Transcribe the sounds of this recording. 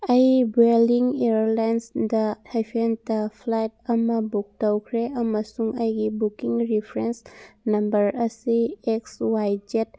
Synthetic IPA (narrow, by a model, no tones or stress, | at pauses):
ɐjbeliŋeɾlajnsdɐhajpʰentɐpʰlajt̚ɐmɐbuk̚tɐwkʰɾeɐmɐsuŋɐjɡibukiŋɾipʰɾensnɐmbɐɾɐsiekswajd͡ʒet̚